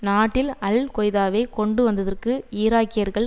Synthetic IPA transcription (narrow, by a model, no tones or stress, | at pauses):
naːʈːɪlɐlkɔjðaːʋeɪkɔɳɖɯʋɐnd̪ɐðɐrkɯiːɾaːkɪjɐɾɣɐɭ